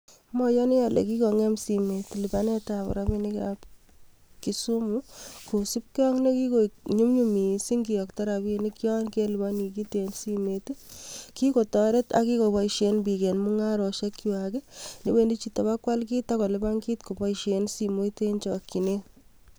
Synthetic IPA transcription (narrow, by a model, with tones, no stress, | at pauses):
mɔ˦jɔ˦ni˦ja˨lḛ˨ki˦kɔ˨ŋɛ˦msi˨me˨tlɪba˦ne˦ta˨pɔ̰˨ɾa˦bi˦ni˦ka̰p | ki˨su˦muku˨si˦p̚kɔ˦ŋne˦ki˦ko˨ɲu˦mɲu˦mi˨si˦ŋɡi˨jɔ˨kta˦ɾa˨bini˦kjɔ˦nke˦lɪ˨ba˦ni˨ki˦te˨nsi˦metiki˦ko˨tɔɾe˦ta̰˦ki˦ko˨bɔ˨iʃe˦nbi˨ke˨nmu˦ŋa˦ɾɔ˨ʃe˦kːi˨wa˨ke˦ne˦we˦˨ndi˦t͡ʃita˨ba˦kwa˦lk̬i˦takɔ˨lɪ˦ba˦ŋki˦tko˨bɔ˦iʃe˨nsi˨mo˦ite˦nt͡ʃɔkːi˨ne˦